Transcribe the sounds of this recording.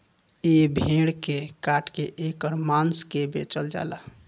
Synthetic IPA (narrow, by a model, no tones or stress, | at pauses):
ebʱeɽkekaʈʰkeʔekɔɾmanskebḛt͡ʃəld͡ʒa̰ːla